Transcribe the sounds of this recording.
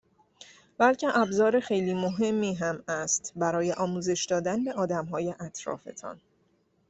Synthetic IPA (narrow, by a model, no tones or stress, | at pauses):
bælcʰe̞ʔæbzɒːɾexe̞jliːmoɦe̞mːiːɦæmæst̪bæɾɒːjeʔɒːmuːze̞ʃd̪ɒːd̪ænbeʔɒːd̪æmɦɒːje̞ʔæt̪ʰɾɒ̰ːfe̞̰t̪ʰɒ̰n